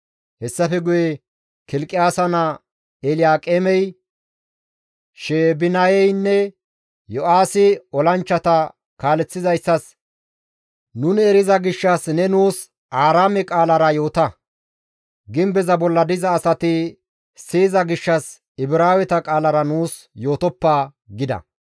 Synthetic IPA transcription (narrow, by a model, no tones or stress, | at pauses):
hɛsːɐfɛɡʊjɛ | kɪlkʼːɪjaːsɐnɐ | ɛlɪjaːkʼɛmɛj | ʃeːbɪnɐjɛjnːɛ | jɔʔaːsɪɔlɐnt͡ʃːɐt̪ɐ | kaːlɛt͡sːɪzɐjsːɐs | nʊnɛɾɪzɐɡɪʃːɐsnɛnuːs | ʔaːɾaːmɛkʼaːlɐɾɐjo̞ːt̪ɐ | ɡɪmbɛzɐbɔlːɐd̪ɪzɐːsɐt̪ɪ | siːzɐɡɪʃːɐs | ɪbɪɾaːwɛt̪ɐkʼaːlɐɾɐnuːs | jo̞ːt̪ɔpːaː | ɡɪd̪ɐ̰